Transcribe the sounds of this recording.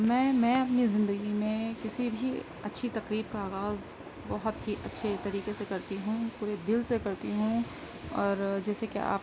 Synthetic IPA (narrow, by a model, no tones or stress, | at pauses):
mɛ̃ːmɛ̃ːɐpnizɪ̃nd̪əɡimẽkɪsibʱi | ɐtːʃʰit̪ɐqɾiːb̚kaaːɣaːz | bɔɦʊt̪ɦiʔɐtːʃʰet̪ɐɾiːqesekɐɾt̪iɦũpuːɾed̪ɪlsekɐɾt̪iɦũ | ɔːɾd͡ʒɛːsekea̰ːp